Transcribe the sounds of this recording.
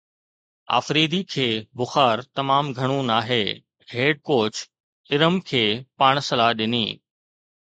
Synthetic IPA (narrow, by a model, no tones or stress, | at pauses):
a̰ːfɾeːd̪ikʰeːbʊxaːɾt̪ɐmaːmɡʱɐɽ̃ũnaːɦeː | ɦeːɖ̚koːt͡ɕ | ɪɾəmkʰeːpaːɽ̃sɐlaːɦɗɪnḭː